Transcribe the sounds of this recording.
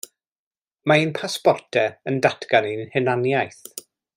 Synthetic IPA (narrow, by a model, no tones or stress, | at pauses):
mainpʰaspɔrtʰɛəndatʰɡaninhɪnanjajθ